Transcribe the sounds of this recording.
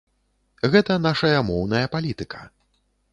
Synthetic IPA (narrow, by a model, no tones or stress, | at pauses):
ɣɛt̪ɐn̪aʂɐjɐmɔwnɐjɐpalʲit̪ɨkʰɐ̥